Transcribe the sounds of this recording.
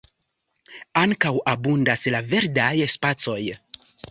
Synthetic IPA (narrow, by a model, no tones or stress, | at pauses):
aŋkawabundaslave̞ɾdajspat͡so̞j